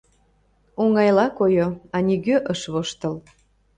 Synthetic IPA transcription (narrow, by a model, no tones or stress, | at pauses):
oŋɑjlɑkojoɑnʲiɣøʔəʃβoʃt̪əl